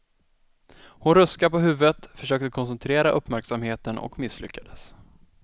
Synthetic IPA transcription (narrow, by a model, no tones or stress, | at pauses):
hʊnɾɵskapɔɦʉ̟ːvət̪fœʂøːk̚t̪əkʰɔns̬ɛnt̪ʰɾeːɾaʔɵpːmæɾksamheːt̪ənʔɔ̰kmɪsːlʏ̰kːad̪əs